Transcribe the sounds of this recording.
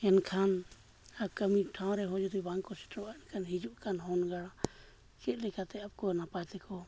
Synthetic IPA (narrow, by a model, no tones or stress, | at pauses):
ɛnkʰan | ab̚kəmĩʈʰãw̃ɾɛɦɔ̃d͡ʒud̪ibaŋkɔsi̥ʈʰɾɔaɛnkanɦid͡ʒuʔkanhɔnɡaɽa | kɛt̪̚ˀlɛkat̪ɛap̚kɔnapat̪ɛkʰɔ